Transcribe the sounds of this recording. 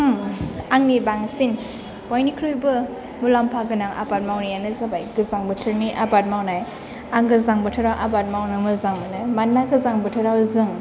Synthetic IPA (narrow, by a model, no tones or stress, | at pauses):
aŋnibaŋsin | b̥ɔjnikʰɾɯjbɯ | mulampʰaɡɯnaŋʔa̰bat̚mawnijanɯzabajɡɯzaŋbɯtʰɯɾniʔabat̚mawnaj | aŋɡɯzaŋbɯtʰɯɾawʔabat̚mawnɯmɯzaŋmɯnɯmanːaɡɯzaŋbɯtʰɯɾawzɯŋ